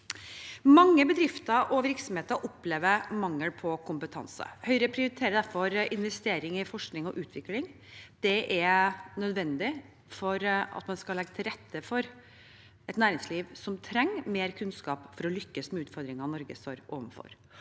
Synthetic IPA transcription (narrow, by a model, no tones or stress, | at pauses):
mɑŋːəbəd̪ɾɪft̪əɾʔɔʋɪɾksɔm̩heːt̪əɾʔɔpːleːʋəɾmɑŋːəlpʰɔkʰʊmpət̪ʰɑ̰nsə̰hœʏɾəpʰɾɪʊɾɪt̪ʰeːɾəd̪æɾfɔɾɪnʋɛst̪eːɾɪŋɪfɔʂknɪŋɔʔʉːt̪ʰʋɪklɪŋ | d̪̥ɛʔɛnœd̪ʋɛnd̪ɪ | fɔɾɑ̰t̪mɛnskɑlɛɡːət̪ʰɪlɾɛt̪ʰːəfɔɾ | ɛt̪næːɾɪŋsliːʋsɔmt̪ʰɾɛŋːmeːɾkʰʉnskɑːpfɔɾɔlʏkːəsmɛʉːt̪fɔɾd̪ɾɪŋɑnɔɾɡəst̪oːɾʔo̰ːʋənfɔ̰ɾ